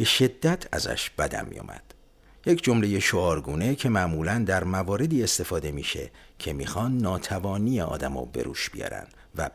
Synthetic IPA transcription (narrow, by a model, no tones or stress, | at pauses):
be̞ʃe̞d̪ːæt̪ʰæ̰zæ̰ʃb̥æd̪æ̰mmḭjo̰ːmæ̰d̪̥ | je̞cʰd͡ʒo̞mle̞je̞ʃoɒːɾɡuːne̞cʰe̞mæʔmuːlænd̪æɾmævɒːɾe̞d̪iːe̞st̪e̞fɒːd̪e̞miːʃe̞̰ | cʰe̞miːxɒːnd̪nɒːt̪ʰævɒːniːjeɒ̰ːd̪æmɒ̰ːbe̞̰ɾṵːʃb̥ijɒ̰ːɾæ̰nd̥̪ | væ